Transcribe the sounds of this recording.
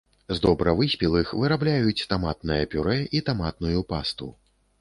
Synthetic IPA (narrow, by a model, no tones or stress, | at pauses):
zd̪ɔbɾɐvɨsʲpʲilˠɨxvɨɾablʲajut͡sʲt̪amat̪nɨjɐpʲuɾɛʔit̪amat̪̚nujupast̪ṵ